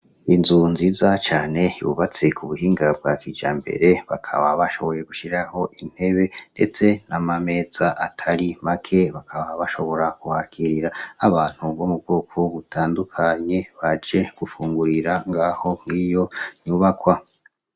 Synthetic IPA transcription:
inzunziːzat͡ʃaːne̞jṵβat͡se̞kʰuβuhiːŋɡab̚ɡakiːd͡ʒaːmbe̞̰ɾe̞βa̰kʰa̰βaβaʃo̞βo̞je̞ɡuʃiɾaho̞ʔin̥he̞βe̞nde̞̰t͡se̞namame̞ːz̥aʔatʰaɾimakʰe̞βakʰaβaβaʃo̞βo̞ɾakuhakʰiɾiɾaːβaːn̥huβomub̚ɡuːkʰoβutʰaːndukʰaɲe̞βad͡ʒe̞ɡ̥ufuːŋɡuɾiɾaŋɡaːho̞mŋiːjo̞ɲuβakwa

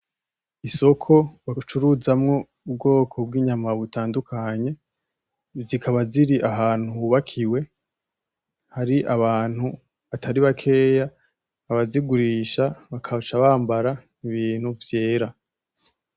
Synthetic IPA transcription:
iso̞kʰo̞βat͡ʃuɾuzamŋo̞ | ubɡo̞ːkʰo̞bɡiːɲamaβutaːndukʰaɲe̞ | zikʰaβaziɾiʔaɦaːn̥huuβakʰiwe̞ | haɾiʔaβaːn̥hu | atʰaɾiβakʰe̞ːjaː | βaziɡuɾiːʃaβakʰat͡ʃaβaːmbaɾa | iβiːn̥uvje̞ːɾa

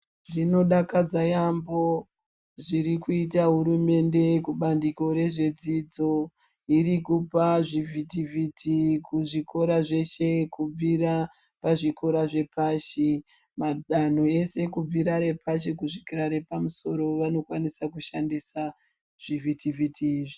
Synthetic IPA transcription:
ʐino̞ɗakad͡zajambo̞ | ʐiɾikuitaɦuɾume̞nde̞kuɓandiko̞ɾe̞ʐe̞d͡zid͡zo̞ | iɾikupaʐivʱitivʱitʰikuʐikʰo̞ɾaʐe̞ʃe̞kub͡viɾa | paʐiko̞ɾaʐe̞paʃi | maɗan̤oe̞se̞kub͡viɾaɾe̞pʰaʃ̬ikuʐikiɾaɾe̞pamuso̞ɾo̞ʋano̞kwanisakuʃandisa | ʐ̥ivʱitivʱitʰiːʐi

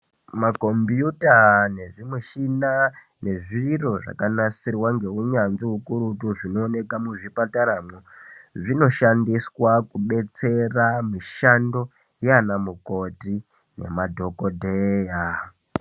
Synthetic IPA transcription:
mako̞mbjutane̞ʐimweʃina | ne̞ʐiro̞ʐa̰kanasirwaŋɡe̞uɲanziukuɾutuʐino̞ːne̞kamuʐipataɾamuʐino̞ʃandiswakuɓe̞t͡se̞ramiʃando̞ | janamuko̞ti | ne̞̰madʱo̞kodʱeja

